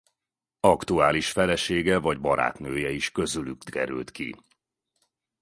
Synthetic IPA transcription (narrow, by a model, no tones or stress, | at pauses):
ɒkt̪uaːliʃfɛlɛʃeːɡɛvɒɟbɒɾa̰ːt̪nøːjɛiʃkø̞zylyk̪kɛ̰ɾy̰lt̪kḭ